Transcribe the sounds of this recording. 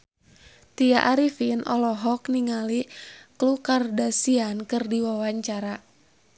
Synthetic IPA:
t̪ijaʔaɾifinʔɔ̰lɔɦɔkniŋaliklukardasiankɨrdiwawaɲt͡ʃaɾa

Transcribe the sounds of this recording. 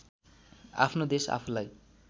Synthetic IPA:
a̰pʰnod̪esa̰pʰulaj

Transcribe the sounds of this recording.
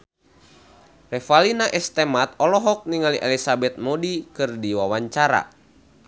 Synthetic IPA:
rɛfalinaʔɛst̪ɛmat̪̚ɔlɔɦɔk̚niŋaliʔɛlisabɛt̪̚mɔdikɨrdiwawaɲt͡ʃaɾa̰

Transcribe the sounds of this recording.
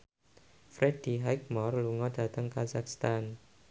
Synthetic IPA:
fɾɛd̥iɦajk̚mɔrluŋɔd̥a̤t̪əŋkazakst̪an

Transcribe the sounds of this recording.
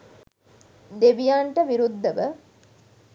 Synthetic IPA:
d̪eʋijaːɳʈəʋiɾud̪ːəʋə

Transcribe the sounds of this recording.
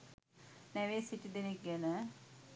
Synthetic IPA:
nɛʋeːsiʈid̪enek̚ɡɛnə

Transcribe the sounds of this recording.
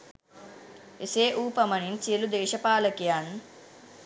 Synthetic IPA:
eseːʔuːpɐmɐnint͡ʃiəlud̪eːʃɐpaːləkijan

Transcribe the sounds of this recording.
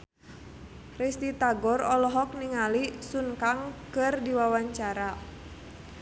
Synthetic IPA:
rist̪it̪aɡɔrɔlɔɦɔk̚niŋalisunkaŋkɨrdiwawaɲt͡ʃaɾa

